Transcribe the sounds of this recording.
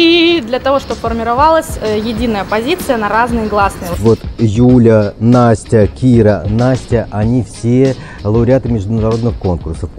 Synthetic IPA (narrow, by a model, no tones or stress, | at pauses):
id̪lʲɐt̪ɐvo̞ʂt̪obfərmʲɪɾɐvalˠəsʲjɪdʲinəjəpɐzʲit̪sɨjənɐɾaznɨjɡlˠasnɨjvo̞t̪julʲənasʲtʲəkʲiɾənasʲtʲəʔɐnʲifsʲe | lˠəʊɾʲɪat̪ɨmʲɪʐd̪ʊnɐɾo̞d̪nɨxko̞nkʊrsəf